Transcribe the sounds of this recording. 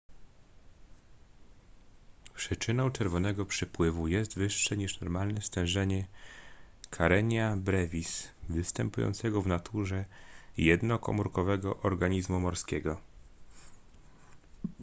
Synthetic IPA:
pʂɘt͡ʂɘnɔw̃t͡ʂɛɾvɔnɛɡɔpʂɘpwɘvujɛst̪vɘʂːɛɲiʂnɔɾmalnɛst̪ɛ̃w̃ʐɛɲɛ | kʰaɾɛɲabɾɛvʲisvɘst̪ɛmpujɔ̰nt̪sɛɡɔvnat̪ʰuʐɛjɛd̪nɔkɔ̰muɾkɔvɛɡɔʔɔɾɡaɲizmumɔɾskʲɛɡɔ

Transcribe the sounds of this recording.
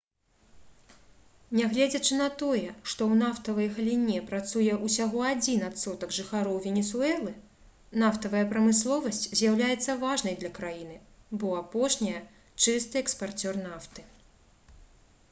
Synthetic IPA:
nʲɛɣlʲɛd͡zʲɐt͡ʂɨn̪ɐt̪ɔjɛʂt̪ɔwnaft̪ɐvɐjɣɐlʲinʲɛpɾat̪sujɛʔusʲaɣɔad͡zʲinat̪sɔt̪ɐkʐɨxaɾɔwvʲɛnʲɛsuɛlˠɨ | naft̪ɐvɐjɐpɾɐmɨslˠɔvɐsʲt͡sʲzʲjawlʲajɛt̪sːɐvaʐnɐjd̪lʲɐkɾajin̪ɨbɔapɔʂnʲijɛ | t͡ʂɨst̪ɨɛkspart͡sʲɔrnaft̪ɨ

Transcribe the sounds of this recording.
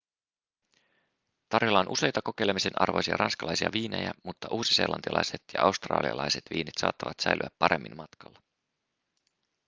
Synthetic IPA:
t̪ɑrjolːɑonʔuse̞jt̪ɑko̞kejlemise̞nʔɑ̰rʋo̞jsiɑ̰rɑnskɑlɑjsiɑʋiːne̞̰jæmut̪ːɑʔuːsise̞̰ːlʔɑnt̪iɑlɑ̰jset̪jɑʔɑwst̪rɑ̰ːliɑ̰lɑjse̞t̪ʋiːnet̪sɑ̰ːt̪ːɑʋɑt̪sæjlʔy̰æpːɑɾemːʔinmmɑt̪kɑlːɑ

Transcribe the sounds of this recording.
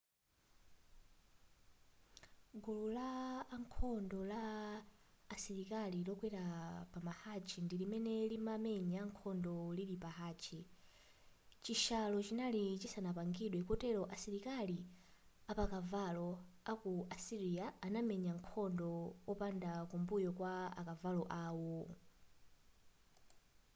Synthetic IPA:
ɡululaːŋkʰɔndɔlaː | siɾikalilɔkwɛɾapamahat͡ʃʰindilimɛnɛlimamɛɲaŋkʰɔndɔliɗipaɦaːt͡ʃʰi | t͡ʃiʃalɔt͡ʃinalit͡ʃisanapaŋɡiɗwɛkɔtɛɾɔʔasiɾikali | apakavalɔakuʔasiɾiaːnamɛɲaŋkʰɔndɔwɔpandakumbujɔkwaa̰kavalɔʔaːwɔ

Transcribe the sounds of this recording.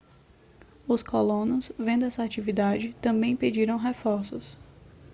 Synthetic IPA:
ʊskolõnʊsvẽnd̪ʊɛsɐat͡ʃivid̪ad͡ʒɪt̪ɐ̃mbẽj̃ped͡ʒiɾɐ̃w̃ɦefɔɾsʊs

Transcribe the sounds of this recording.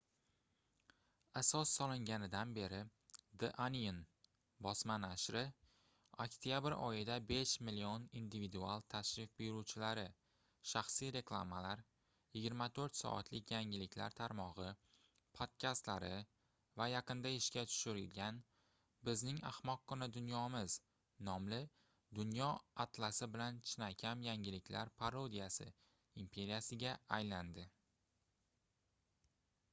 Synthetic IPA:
asɒsːɒlˠɪŋɡʲanɪd̪anbe̞ɾɪd̪ɪʔanijɪn | bɒsmanaʃɾɪ | okʲt̪ʰijabɾɒ̰jɪd̪abe̞ʃmɪlionind̪ɪvid̪ualˠt̪ʰaʃɾɪfbɪjɾut͡ʃʰɪlaɾɪ | ʃaχsijɾe̞klˠamalaɾ | jɪɡʲɪɾmat̪ʰɵɾt̪sɒ̰ʔa̰t̪ʰlɪkʲʰjaŋɪlɪkʲʰla̰ɾt̪ʰaɾmɒʁɨ | pʰot̪̚kʲʰast̪laɾɪ | vajaqɨnd̪aɪʃkʲat̪ʰʊ̥ʃɪɾɪlɡʲan | bɪznɪŋa̰hmɒqːʊnad̪ʊnjɒmɪz | nɒmlɪ | d̪ʊnjɒat̪lˠasɪbɪlant͡ʃʰɪnakʲʰamjaŋʲɪlɪkʲʰla̰ɾpʰaɾod̪ijasɪ̰ | impʰe̞ɾijasɪɡʲaajland̪ɪ

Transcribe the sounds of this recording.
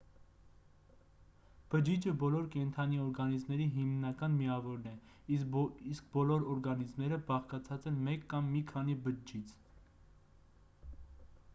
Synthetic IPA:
b̥əd͡ʒid͡ʒəbɔlɔɾkɛnt̪ʰɑniɔɾɡɑnizmnɛɾiɦimnɑkɑnmiɑvɔɾnɛ | isk̚bɔlɔɾɔɾɡɑnizmnɛɾəbɑχkɑt͡sʰɑt͡sɛnmɛkːɑmːikʰɑnibəd͡ʒit͡sʰ

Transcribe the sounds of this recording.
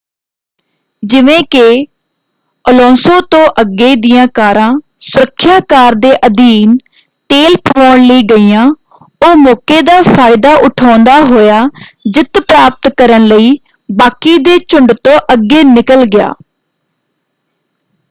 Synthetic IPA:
d͡ʒɪʋẽːkɪ | əlõːsõːt̪õːʔəɡːeːd̪ɪjãːkaːɾãː | sʊɾəkʰːjaːkaːɾd̪eːʔəd̪iːn | t̪eːlpʰɔːɳləiːɡəiːjãː | ʊɦmɔːkeːd̪aːpʰaːɪd̪aːʔʊʈʰaːnd̪aːɦoːjaːd͡ʒɪt̪pɾaːp̚t̪kəɾənləiː | baːkiːd̪eːt͡ʃʊɳɖt̪õːʔəɡːeːnɪkəlɡɪja̰ː

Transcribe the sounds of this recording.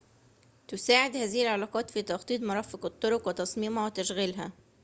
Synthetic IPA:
t̪ʊsaːʕɪd̪hæːzɪhɪlʕɑlɑːqɑːt̪fiːt̪ɑxt̪ˤiːt̪ˤmʊɾˤɑːfɪqɪt̪ˤːʊɾʊkwɪt̪ɑsˤmiːmhæwɪt̪æʃɣalɦæ

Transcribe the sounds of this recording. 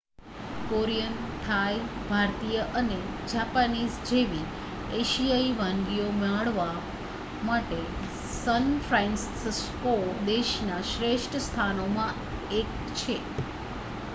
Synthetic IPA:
koɾijənt̪ʰajbʱaɾt̪ijəʔəned͡ʒapanisd͡ʒeʋi | eʃijaiʋãŋɡijomɛɭʋa | maʈe | sənfʰɾãnssskod̪eʃnaʃɾeʃʈʰəst̪ʰanomã | ek̚ | t͡ʃʰe

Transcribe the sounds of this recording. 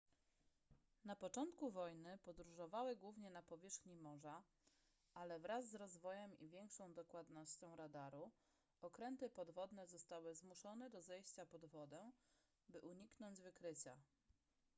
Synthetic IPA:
napɔt͡ʂɔnt̪kuvɔjnɘpɔd̪ɾuʐɔvawɘɡwuvɲɛnapɔvʲjɛʂxɲimɔʐa | ʔalɛvɾazːɾɔzvɔjɛmivʲjɛŋkʂɔ̃w̃d̪ɔkwad̪nɔɕt͡ɕɔ̃w̃ɾad̪aɾu | ɔkɾɛnt̪ɘpɔd̪vɔd̪nɛzɔst̪awɘzmuʂɔnɛd̪ɔzɛjɕt͡ɕapɔd̪vɔd̪ɛ | bɘʔuɲiknɔɲd͡ʑvɘkɾɘt͡ɕa̰

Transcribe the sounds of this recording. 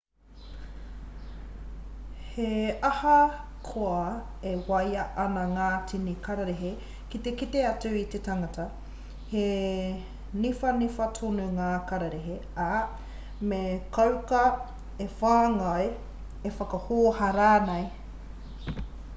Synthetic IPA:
heɐhɐ | kʰoɐ | ewɐjɐʔɐnɐŋaːtʰinikʰɐɾɐɾeɦe | kit̪ekit̪eɐt͡sʉit̪etaŋɐtɐ | he | nifɐnifɐtʰonuŋaːkɐɾɐɾeɦe | a | mekɐwkɐ | efaːŋɐe | efɐkɐhoːhɐɾaːnej

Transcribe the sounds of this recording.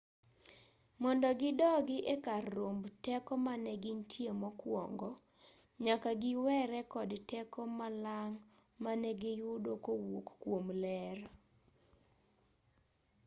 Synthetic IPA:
mɔndɔɡɪdɔɡɪʔekarːombtɛkɔmanɛɡɪntʰjemɔkwɔ̰ŋɡɔ | ɲakaɡɪwɛɾɛkɔdtɛkɔmalaŋ | manɛɡɪjʊdokowokkwomlɛɾ

